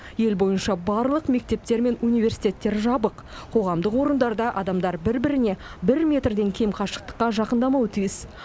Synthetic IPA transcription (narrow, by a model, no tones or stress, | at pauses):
je̞lbo̞jənʃɑbɑɾlˠəqme̞k̚t̪e̞p̚t̪e̞ɾme̞nunijve̞rsi̥jt̪ʲe̞t̪ːe̞ɾʒɑbəq | qʰo̞ʁɑmd̪əqwo̞ɾənd̪ɑɾd̪ɑʔɑd̪ɑmd̪ɑɾbɪɾbɪɾɪne̞bɪɾmʲe̞t̪rd̪e̞ŋkʲʰe̞jmqʰɑʃə̥qt̪ə̥qːɑʒɑqənd̪ɑmɑwt̪ʰijɪs